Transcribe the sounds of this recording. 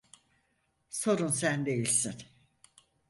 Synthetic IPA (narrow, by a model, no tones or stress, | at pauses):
so̞ɾunsænd̪e̞jilʲsin